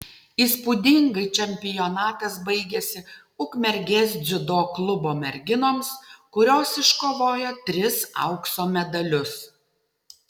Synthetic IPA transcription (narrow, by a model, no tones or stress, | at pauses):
iːspʊd̪ʲɪŋɡɐɪt͡ʃʲɛmʲpʲɪjɔnɑːt̪ɐsbɐɪɡʲɛsʲɪ | ʊkmʲɛɾʲɡʲeːs̬ʲzʲɪd̪oːklˠʊboːmʲɛɾʲɡʲɪnoːmskʊɾʲoːsɪʃkoːʋoːjɛt̪ʲɾʲɪsɐ̰ʊksoːmʲɛd̪ɐlʲʊs